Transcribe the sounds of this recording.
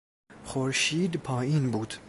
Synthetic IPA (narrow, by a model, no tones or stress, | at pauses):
χoɾʃiːd̪pʰɑːiːnbuːd̪̥